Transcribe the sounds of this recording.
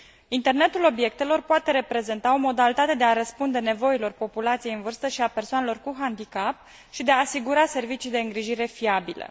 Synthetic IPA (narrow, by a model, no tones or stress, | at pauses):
int̪e̞rne̞t̪ulo̞bje̞k̚t̪e̞lo̞rpoat̪e̞ɾe̞pɾe̞ze̞nt̪ao̞mo̞d̪alit̪at̪e̞d̪e̞aɾəspund̪e̞ne̞vo̞ilo̞rpo̞pulat̪sije̞ɨnvɨrst̪əʃiape̞rsoanelo̞rkuɦand̪ikap̚ | ʃid̪e̞aːsiɡuɾase̞rvit͡ʃijd̪e̞ɨŋɡɾiʒiɾe̞fiabilə̰